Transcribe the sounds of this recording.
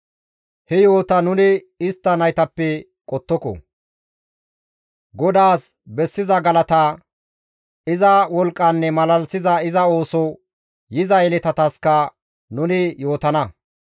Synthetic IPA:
hɛjo̞ːt̪ɐnʊnɪ | ɪst̪ːɐnɐjt̪ɐpːɛ | kʼɔt̪ːɔkɔ̰ | ɡɔd̪aːs | bɛsːɪzɐɡɐlɐt̪ɐ | ɪzɐwɔlkʼːɐnːɛmɐlɐlsɪzɐɪzɐo̞ːsɔ | jɪzɐjɛlɛt̪ɐt̪ɐskɐ | nʊnɪjo̞ːt̪ɐnɐ

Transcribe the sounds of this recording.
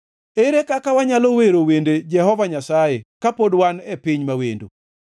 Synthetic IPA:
eɾekakawaɲaloweɾowended͡ʒɛɦɔvaɲasajekapodwanepɪɲmawḛndo̰

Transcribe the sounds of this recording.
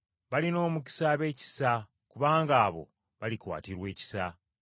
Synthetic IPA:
βalino̞ːmuci̥saβe̞ːci̥sa | kuβaːŋɡaːβo̞̰ | βalikwa̰ːtiɾwe̞ːci̥sa

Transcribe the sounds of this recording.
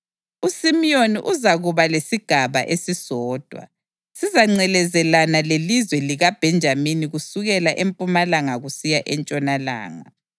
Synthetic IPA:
usimioniʔuzaɣuβalesiɡ̥ʱaβa̰ʔesisɔːd̥ʱwa̰ | sizaŋ͡ǀɛlɛzɛlanalelizwɛliɣab̥ʱɛnd͡ʒʱaminiɣusuɣɛlaʔempʼumalaŋaɣusijaʔɛnt͡ʃʼɔnala̰ːŋa

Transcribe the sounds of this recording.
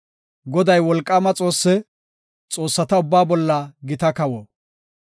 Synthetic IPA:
ɡɔd̪ɐjwɔlkʼːamɐt͡sʼo̞ːsːɛ | t͡sʼo̞ːsːɐt̪ɐʊbːaːbɔlːɐɡɪt̪ɐkɐwɔ

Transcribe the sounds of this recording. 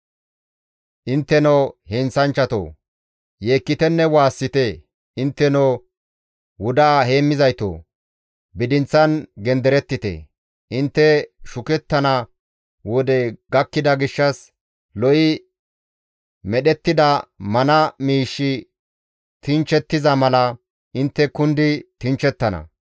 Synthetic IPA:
ʔɪnt̪ːɛnohɛnsɐnt͡ʃːɐt̪o̰ː | je̞ːkːɪt̪ɛnːɛwaːsːɪt̪e | ɪnt̪ːɛnoː | wʊd̪aːhe̞ːmːɪzɐjt̪o̰ː | bɪd̪ɪnt͡sːɐnɡɛnd̪ɛɾɛt̪ːɪt̪ḛ | ʔɪnt̪ːɛʃʊkɛt̪ːɐnɐ | wɔd̪ɛɡɐkːɪd̪ɐɡɪʃːɐs | lɔʔɪ | mɛɗɛt̪ːɪd̪ɐmɐnɐmiːʃːɪ | t̪ɪnt͡ʃɛt̪ːɪzɐmɐlɐ | ɪnt̪ːɛkʊnd̪ɪt̪ɪnt͡ʃɛt̪ːɐnɐ̰

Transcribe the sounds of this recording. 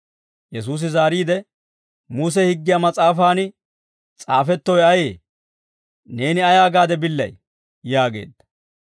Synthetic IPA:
jɛsuːs̬ɪzaːɾiːd̪ɛ | muːs̬ɛhɪɡːɪjamɐt͡sʼaːfaːnɪ | t͡sʼaːfɛt̪ːɔjɐjeː | ne̞ːnɪɐjaːɡaːd̪ɛbɪlːɐ̰j | jaːɡe̞̰ːd̪ːɐ̥

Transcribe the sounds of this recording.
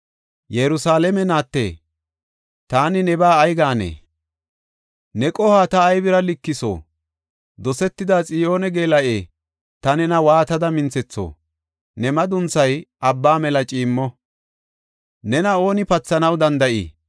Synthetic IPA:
jɛɾʊsaːlɛmɛnaːt̪ːḛː | t̪aːnɪnɛbaːjɡaːnḛː | nɛkʼɔhaːt̪ɐːjbɪɾɐlɪkːɪso̰ː | d̪ɔsɛt̪ːɪd̪at͡sʼɪjo̞ːnɛɡeːlɐʔeː | t̪ɐnɛnɐwaːt̪ɐd̪ɐmɪnt͡sɛt͡sːo̰ː | nɛmɐd̪ʊnt͡sːɐjʔɐbːaːmɛlɐt͡ʃʼiːmːɔ | nɛnɐo̞ːnɪpɐt͡sːɐnɐwd̪ɐnd̪ɐʔḭː

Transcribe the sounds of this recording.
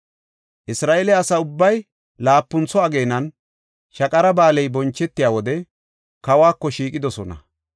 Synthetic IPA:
ʔɪsɾaːʔɛlɛɐsɐʊbːɐj | laːpːʊnt͡sːɔɐɡeːnɐn | ʃɐkʼɐɾɐbaːlɛjbɔnt͡ʃːɛt̪ːɪjaːwɔd̪ɛ | kɐwaːkːɔʃiːkʼɪd̪ɔsɔnɐ̰

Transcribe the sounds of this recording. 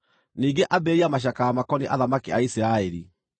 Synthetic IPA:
niːŋɡeʔabeɾiamaʃ̬akaamakɔniʔa̰ðamakiaisiɾaɛɾi

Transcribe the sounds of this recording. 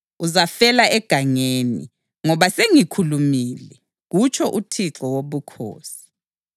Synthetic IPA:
uzafɛlaʔɛɡ̥ʱaŋenḭ | ŋɔβaseŋikʰulumiːlɛ | ɣut͡ʃʰɔʔutʰiǁɔwoβukʰo̰ːsi̥

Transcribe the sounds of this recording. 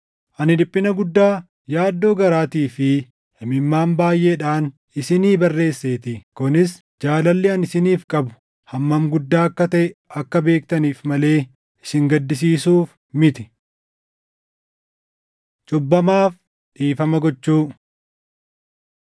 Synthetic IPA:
ʔɐnɪlɪpʼːɪnɐɡʊd̪ːaː | jaːd̪ːo̞ːɡɐɾaːt̪iːfɪ | hɛmɪmːaːmbaːjːʔe̞ːᶑaːn | ɪsɪniːbɐrːe̞ːsːeːt̪ɪkʊnɪs | d͡ʒaːlɐlːɪɐnɪsɪniːfkʼɐbʊ̥ | hɐmːɐmɡʊd̪ːaːɐkːɐt̪ɐʔɛɐkːɐbe̞ːkt̪ɐniːfmɐle̞ː | ɪsɪŋɡɐd̪ːɪs̬iːsuːf | mɪt̪ɪ | t͡ʃʼʊbːɐmaːf | ᶑiːfɐmɐɡɔt͡ʃːuː

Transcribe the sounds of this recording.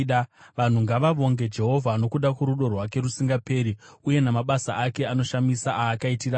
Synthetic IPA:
ʋan̤uŋɡaʋaʋo̞ŋɡe̞d͡ʒe̞ɦo̞vʱano̞kuɗakweɾuɗo̞rwake̞ɾusiŋɡape̞ːɾiuje̞namaɓasa̰ʔake̞ano̞ʃamisaʔaːkaitira

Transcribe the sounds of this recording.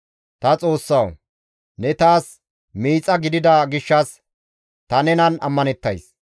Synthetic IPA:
t̪ɐt͡sʼo̞ːsːɐw | nɛt̪aːs | miːt͡sʼːɐɡɪd̪ɪd̪ɐɡɪʃːɐs | t̪ɐnɛnɐnɐ̰mːɐnɛt̪ːɐjs

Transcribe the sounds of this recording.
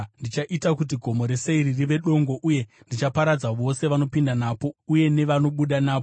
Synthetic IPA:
ndit͡ʃaʔitakut̬iɡʱo̞mo̞ɾe̞seiririʋe̞ɗo̞ŋɡo̞ʔuje̞ | ndit͡ʃapaɾad͡zaʋo̞se̞ʋano̞pindanapo̞uje̞ne̞ʋano̞ɓuɗanaːp

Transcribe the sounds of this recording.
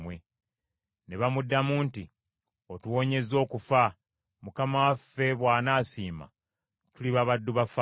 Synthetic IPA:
we | neβamudːamuːnti | otuwo̞ːɲe̞zo̞ːkufa | mukamawafːe̞βwaːnaːsiːma̰ | tuliβaβadːuβafa

